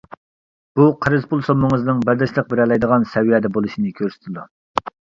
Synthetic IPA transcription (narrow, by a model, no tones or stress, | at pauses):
b̥uqʰəɾɨzpʰulˠsomːɨŋɨznɨŋbæld̪ɛʃlˠəq̚bɪɾɛlɛjd̪əʁɑnsɛwijɛːd̪ɛbolˠuʃinɨkʲʰøɾsɪ̥t̪ʰɪd̪u